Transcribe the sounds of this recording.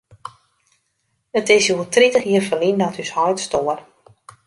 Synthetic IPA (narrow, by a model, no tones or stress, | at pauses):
ətɪsjuəlˠtritəxjiːərfəlindɔtyshɔjtstoər